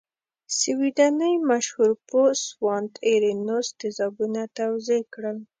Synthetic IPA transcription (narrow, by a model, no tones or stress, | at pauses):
siwid̪anəjmaʃhuɾposwɑnt̪eɾinost̪ɪzɑbunat̪awzekɽəl